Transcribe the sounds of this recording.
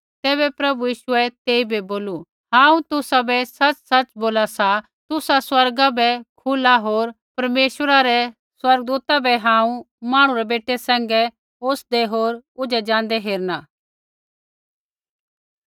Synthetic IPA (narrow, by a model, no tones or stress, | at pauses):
t̪ɛːβɛpɾɐbujiːʃʊɛt̪eːibiboːlu | ɦãːũt̪ʊsabɛsɐt͡ʃsɐt͡ʃboːlasa | t̪ʊsaswɐɾɡabɛkʰʊlaɦoːɾ | pɐɾmeːʃwəɾaɾɛ | swɐɾɡ̚d̪uːt̪abɛɦãːũ | maːɽ̃ũɾɛbeːʈʰːesɛ̃ːŋɡɛ | oːsd̪ɛɦoːɾʊd͡ʒɛd͡ʒãːn̆d̪ɛɦeːɾnaː